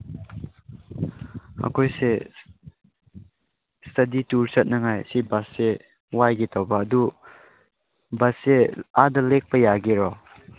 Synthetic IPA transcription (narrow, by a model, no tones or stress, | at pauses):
a̰kʰojse | stʰɐdituɾsɐt̚nɐŋajsibasːe | wajɡitʰɔwbɐːdu | bɐseadɐlek̚pɐjaɡiɾɔ